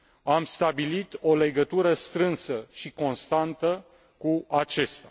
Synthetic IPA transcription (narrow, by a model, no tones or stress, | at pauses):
amst̪abilit̪o̞le̞ɡət̪uɾəst̪ɾɨnsəʃiko̞nst̪ant̪ə | kuat͡ʃest̪a